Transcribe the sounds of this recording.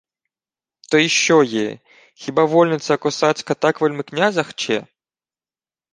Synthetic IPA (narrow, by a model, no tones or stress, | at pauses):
t̪ɔjiɕːɔjḛ | xʲibavɔlʲnʲɪt̪sɐːkɔsat͡sʲkɐt̪akvɐlʲmɨknʲazɐxt͡ɕɛ̰